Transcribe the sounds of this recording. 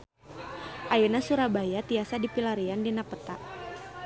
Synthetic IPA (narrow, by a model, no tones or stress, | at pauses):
ʔajənasuɾabajat̪iasadipilaɾiandinapət̪a